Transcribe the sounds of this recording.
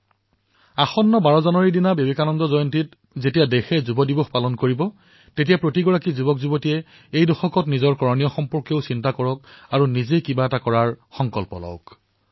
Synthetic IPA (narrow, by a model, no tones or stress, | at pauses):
axɔnːɔbaɹɔzanwaɹidinabebekanɔndɔzɔjɔntit | zetijadexɛzubɔdibɔxpalɔnkoɹibɔ | tetijapɹotiɡɔɹakizubɔkzubotijɛ | ejdoxɔkɔtnizɔɹkɔɹɔnijɔxɔmpɔɹkeʊsintakɔɹɔkaɹunizekibaɛtakɔɹaɹxɔŋkɔlpɔ̰lɔ̰ʊk